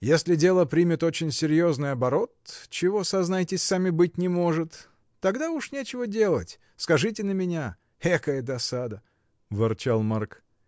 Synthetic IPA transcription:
jesʲlʲɪdʲe̞lˠəpɾʲimʲɪt̪o̞t͡ɕɪnʲsʲɪɾʲjo̞znɨjɐbɐɾo̞t̪t͡ɕɪvo̞sɐznajtʲɪsʲsamʲɪbɨt̚ʲnʲɪmo̞ʐɨt̪ː | ɐɡd̪aʊʂnʲet͡ɕɪvədʲe̞lˠə̰tʲ | skɐʐɨtʲɪnəmʲɪnʲa | ɛkəjəd̪ɐsad̪ə | vɨrt͡ɕalˠmark

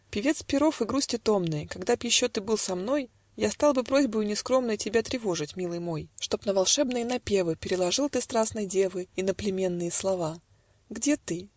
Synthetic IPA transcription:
pʲɪvʲe̞t̪spʲɪɾo̞fɨɡɾusʲtʲɪt̪o̞mnɨjkɐɡd̪apjɪɕːo̞t̪ɨbɨlˠsɐmno̞j | jast̪ɑlˠbɨpɾo̞zʲbəjʊnʲɪskɾo̞mnəjtʲɪbʲat̪ɾʲɪvo̞ʐɨtʲmʲilˠɨjmo̞jʂt̪o̞pnəvɐlˠʂɛbnɨjənɐpʲe̞vɨpʲɪɾʲɪlˠɐʐɨlˠt̪ɨst̪ɾasnɨjdʲevɨinəplʲɪmʲe̞nːɨjəslˠɐva | ɡdʲe̞t̪ɨ

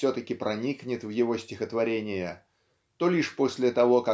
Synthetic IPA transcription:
sʲɵt̪əkʲɪpɾʔɐnʲiknʲɪt̪vjɪvo̞sʲtʲɪxət̪vɐɾʲenʲɪjə | t̪o̞lʲiʂpo̞sʲlʲɪt̪ɐvo̞kɐ

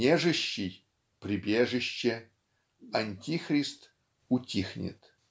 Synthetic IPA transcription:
nʲeʐɨɕːɪj | prʲɪbʲeʐɨɕːe | ɐnʲtʲixrʲist̪ | ʊtʲixnʲɪ̰t̪

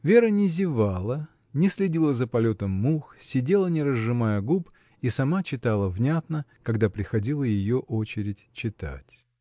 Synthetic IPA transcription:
vʲe̞ɾənʲɪzʲɪvalˠə | nʲɪsʲlʲɪdʲilˠəzəpɐlʲot̪əmːuxsʲɪdʲelˠənʲɪɾəzːɨmajəɡup | isɐmat͡ɕɪt̪alˠəvnʲat̪nəkɐɡd̪apɾʲɪxɐdʲilˠəjɪjoʔot͡ɕɪɾʲɪtʲt͡ɕːɪt̪a̰tʲ

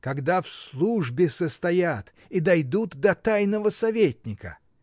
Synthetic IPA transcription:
kɐɡd̪afslˠuʐbʲɪsəst̪ɐjat̪ | id̪ɐjd̪ut̪ːɐt̪ajnəvəsɐvʲetʲnʲɪkə̰

